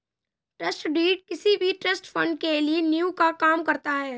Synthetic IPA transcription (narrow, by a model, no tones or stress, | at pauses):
ʈɾɐsʈɖiːʈ̚kɪsibʱiʈɾɐsʈfʰɐ̃ɳɖkelienjuːkakaːmkɐɾt̪aɦɛː